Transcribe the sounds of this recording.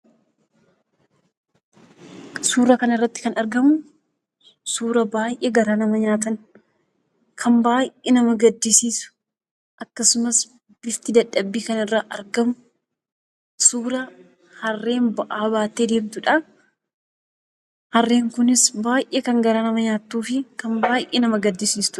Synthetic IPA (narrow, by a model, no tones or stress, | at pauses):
suːɾɐkɐnɐɪrːɐt̪ːɪ̥kɐnɐɾɡɐmʊ | suːɾɐbaːjʔeːɡɐɾaːnɐmɐɲaːt̪̬ɐn | kʰɐmbaːjʔenɐmɐɡɐd̪ːisiːsʊ̥ | ʔɐkːɐsʊmɐs | b̥ɪft̪ɪd̪ɐᶑːɐbːiːkɐnɐɪrːaːʔɐɾɡɐmʊ | suːɾɐ | hɐrːe̞ːnbɐʔaːbaːt̪ːeːd̪eːmt̪ʊᶑɐ | hɐrːe̞ːŋkʊnɪsbaːjʔeːkɐŋɡɐɾaːnɐmɐɲaːt̪ːuːfɪkɐmbaːʔeːnɐmɐɡɐd̪ːɪsiːst̪ʊ̥